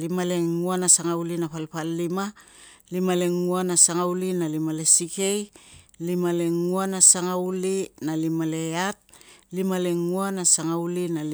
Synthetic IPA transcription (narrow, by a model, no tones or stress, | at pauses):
limale̞ŋuanasaŋaulinapalpalːima | limale̞ŋuanasaŋaulinalimale̞sike̞jlimale̞ŋuanasaŋaulinalimale̞at̚limale̞ŋuanasaŋawlinal